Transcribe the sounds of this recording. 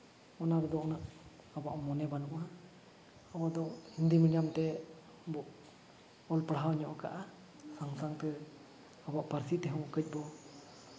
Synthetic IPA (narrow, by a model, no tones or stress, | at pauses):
ɔnaɾɛd̪ɔʔɔnaʔ | abaʔmɔnɛbanuʔa | abad̪ɔnd̪imiɽijamt̪ɛ | bɔʔ | ɔlpɽaɦawɲɔʔɔka̰ʔa | saŋsaŋt̪ɛ | abaʔpaɾsit̪ɛɦũkəc̚ˀbɔ